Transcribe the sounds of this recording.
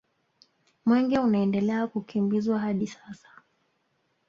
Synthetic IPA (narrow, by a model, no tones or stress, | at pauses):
mwɛŋɡɛunaɛndɛlɛakukimbizwaɦaɗisasḁ